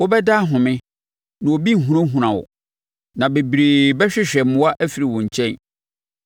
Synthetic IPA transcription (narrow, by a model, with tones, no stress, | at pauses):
wɔ˦bɛ˦da˦ɦʊ̃˨mɪ̃˦ | nã˨wo˨bi˦ŋ̩˨ɦũ˨˦ɾã˦ɦũ˨ɾã˨wɔ̰˨ | nã˨be˨bɾeː˨bɛ˦ɕᶣɪ˦ɕᶣɛ˨m˦mʊ̃˦wa˦ʔæ˦fi˨ɾi˨wɔ̃˨ɲ̩˨t͡ɕʰɛ̃˦n